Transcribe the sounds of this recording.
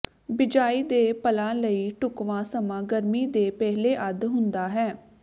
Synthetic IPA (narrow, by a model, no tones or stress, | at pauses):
bɪd͡ʒaːiːd̪eːpəlãːləiːʈʊkʋãːsəmãːɡəɾmiːd̪eːpɛɦleːʔəd̪ɦʊnd̪aːɦɛː